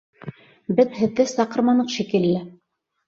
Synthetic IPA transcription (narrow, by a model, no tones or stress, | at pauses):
bɘðhɘ̆ðːɘsɑqɤ̆ɾmɑnɤqʃikɘ̆lːɘ